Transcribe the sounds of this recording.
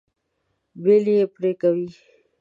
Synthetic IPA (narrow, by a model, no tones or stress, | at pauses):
belijepɾekawi